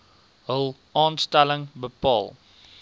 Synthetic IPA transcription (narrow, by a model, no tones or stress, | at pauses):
ɦəlˠ | ɑːnstɛləŋbəpɑ̰ːlˠ